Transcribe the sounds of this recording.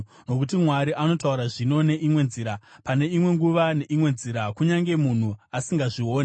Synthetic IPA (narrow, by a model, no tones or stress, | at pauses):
no̞k̬ut̬imwaɾiʔano̞tauɾaʐino̞ne̞ʔimwe̞nziːɾapane̞imwe̞ŋɡuʋane̞ʔimwe̞nziɾakuɲaŋɡe̞mun̤uasiŋɡaʐio̞ːne